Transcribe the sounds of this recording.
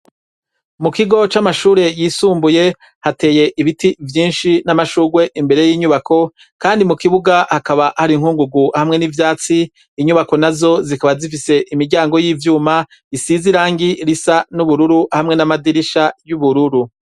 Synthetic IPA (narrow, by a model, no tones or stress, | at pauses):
mukiɡo̞t͡ʃamaʃuːɾe̞jiːsuːmbuje̞ | hate̞ːje̞ʔiβitivjiːnʃinamaʃuːɡwe̞ʔimbe̞ɾe̞jiːɲuβakʰo̞ | kaːndimukiβuɡahakaβahaɾiŋ̥huːŋɡuɡuhamŋe̞nivjaːt͡siː | ɲuβako̞nazo̞zikaβazifise̞ʔimiɾɟaːŋɡo̞jiːvjuːma | isiziɾaːŋɡiɾisanuβuɾuɾuhamŋe̞namadiɾiʃajuβuɾuɾu